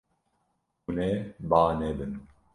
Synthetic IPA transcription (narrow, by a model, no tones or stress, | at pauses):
uneːbaːneːbɨn